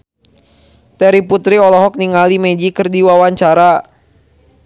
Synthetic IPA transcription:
t̪ɛɾiput̪ɾiɔlɔɦɔk̚niŋalimɛd͡ʒikərdiwawaɲt͡ʃaɾa

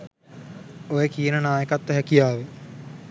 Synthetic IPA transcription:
ojekijənənaːjəkat̪ːəɦɛkijaːʋə

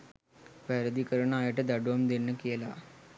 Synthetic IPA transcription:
ʋɛɾəd̪ikəɾəɳaːjəʈəd̪aɖuʋamd̪enːəkela

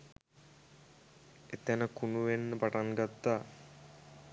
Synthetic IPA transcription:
et̪ænəkunuʋenːəpaʈaŋɡat̪ːaː

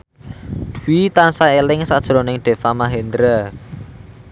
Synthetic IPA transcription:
d̪̥uwit̪ansaelɪŋsad̥ʒ̥ɾonɪŋɖ̪̥e̤famaɦend̪ɾə

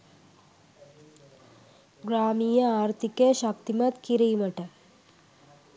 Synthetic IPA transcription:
ɡɾaːmiːjɐaːɾt̪ʰikeʃɐkt̪imɐt̪kiɾiːmɐʈɐ

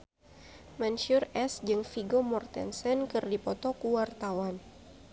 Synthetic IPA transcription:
manʃʊrɛsd͡ʒɨŋfiɡomɔrt̪ɛ̰nsɛnkɨrdipɔt̪ɔkuwart̪awan

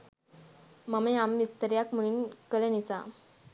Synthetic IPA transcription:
məmeamʋist̪əɾjakm̤əɭ̃iːnkələnit͡sa

